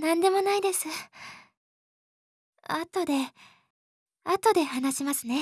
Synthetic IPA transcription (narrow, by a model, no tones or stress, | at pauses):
nãnd̪e̞mo̞naid̪e̞sɨ | at̪o̞d̪e̞ | at̪o̞d̪e̞hanaɕimasɨne̞